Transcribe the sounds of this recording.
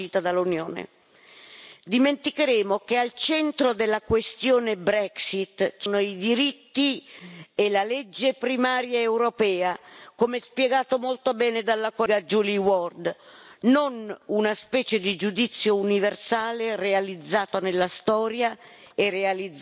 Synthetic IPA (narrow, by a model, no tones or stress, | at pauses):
iːt̪ad̪alːunjoːnḛ | d̪iment̪ikeɾeːmokealt͡ʃɛnt̪ɾod̪elːakwest̪joːnebɾɛksit̪t͡ʃnoid̪iɾit̪ːi | elalɛd͡ʒːepɾimaːɾjaewɾopɛːakomɛspjɛɡaːt̪omolt̪obɛːned̪alːakoɡad͡ʒuliwɔrd̪nonunaspɛːt͡ʃed̪id͡ʒud̪it̪sːjouniversaːlerealid̪zːaːt̪onelːast̪ɔːɾjaerːealid̪